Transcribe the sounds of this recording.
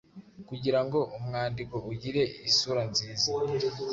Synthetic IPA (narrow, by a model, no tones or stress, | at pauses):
kuɟiɾaŋɡo̞ʔumŋaːndiko̞uɟiɾe̞isuɾanziːza